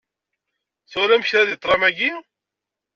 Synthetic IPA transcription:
θʊɾæmçɾæðit̪ˤːɾˤɑmæɡi

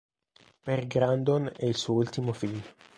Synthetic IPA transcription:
perɡɾand̪onɛilsuːoult̪imofiʎ

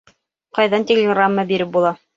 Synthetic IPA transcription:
qɑjðɑnt̪ʲɪlʲɪɡramːəbiɾɘp̚bulˠɑ

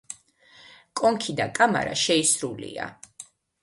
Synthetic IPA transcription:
kʼɔŋkʰid̪akʼama̰ɾa̰ʃɛisɾulḭa̰

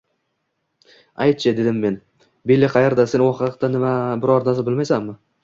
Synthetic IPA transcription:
ajt̪̚t͡ʃʰɪd̪e̞d̪ɪmːe̞n | belːɪqʰɑjaɾd̪ase̞nwɒqq̚t̪anɪmabɪɾɒɾnasabɪlmajsamːɪ

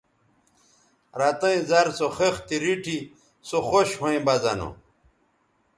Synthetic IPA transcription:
ɾat̪ɐĩzaɾsoxext̪iɾiʈʰi | soxoɕhõĩbɐzɐ̰no̰

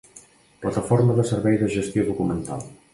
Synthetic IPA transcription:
plət̪əfoɾməðəsəɾβɛjðəʒəst̪joðukumənt̪a̰lˠ

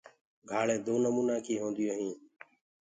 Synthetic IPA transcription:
ɡʱaːɭẽːd̪oːnəmuːnãːkʰiːɦõːnd̪ɪjoːɦĩː

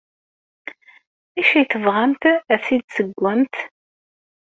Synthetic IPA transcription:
æʃæjθəvʁamt̪æθid̪səɡʷːænt̪

